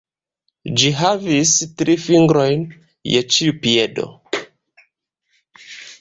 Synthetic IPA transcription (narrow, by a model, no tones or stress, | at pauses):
d͡ʒiɦavistɾifiŋɡɾo̞jn | jet͡ʃiupiedo̰